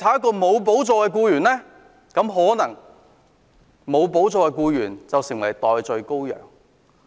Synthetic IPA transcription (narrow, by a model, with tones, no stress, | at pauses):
t̪ʰaː˨˥˦kːɔː˧mo˨˧wp̬o˨˥wt͡sɔː˧kɛː˧k̬uː˧jyː˨˩nlɛː˥ | kɐ˨˥mɦɔː˨˥nɐ˨˩ŋ | mo˨˧wp̬o˨˥wt͡sɔː˧kɛ˧kuː˧jyː˨˩nt͡sɐ˨wsɪ˨˩ŋwɐ˨˩jt̪ɔː˨jt͡sɵ˧ɥko˥wjœ̰ː˨˩ŋ